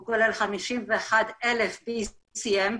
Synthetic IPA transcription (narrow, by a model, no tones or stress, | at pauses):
ɡolelχamiʃimveexad̪ɛlefbi | siɛm